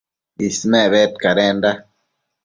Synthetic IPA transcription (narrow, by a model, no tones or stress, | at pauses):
ismɛβɛtkaɾɛːnda